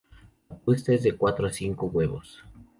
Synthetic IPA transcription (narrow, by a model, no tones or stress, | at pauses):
apust̪ezðe̞kwat̪ɾoasiŋkoɣwe̞βo̰s